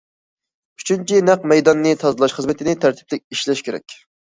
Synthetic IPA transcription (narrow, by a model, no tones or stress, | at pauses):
yt͡ʃʰynt͡ʃʰinæqmɛjd̪ɑnːɨt̪ʰɑzɨlˠɑʃχəzmɪt̪ʰɪnɪt̪ʰæɾt̪ʰɪ̥plɪk̚ʲiʃlɛʃkʲʰeɾɛ̰k̚ʲ